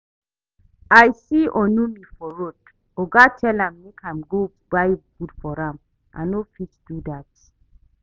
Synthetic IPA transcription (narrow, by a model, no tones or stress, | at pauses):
ajsiɔ̃numifɔɹot | oɡatʰɛlãmːekʰãmɡo | b̥ajɡudfɔɹãm | ʔã̰nofit͡ʃd̥udat̚